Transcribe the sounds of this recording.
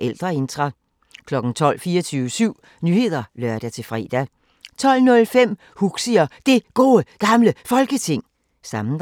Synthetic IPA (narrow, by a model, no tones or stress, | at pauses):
ʔeld̥ʁɐe̝nd̥ʰʁɑ | kʰlɒ̽ɡ̥n̩t͡sʰɒ̽l̰fiːɐt͡sʰyːʊʋəsyʊ̰ | nyhe̝ð̞̰ˠɐlɶɐd̥æt͡sʰe̝fʁɛ̰ːd̥æ | t͡sʰɒ̽l̰nɔ̽lfem̰ | huɡ̥siɐd̥e̝ɡ̥o̝ːəɡ̥ɑ̈mləfɒ̽lɡ̥ət͡sʰe̝ŋ̰ | sɑ̈mn̩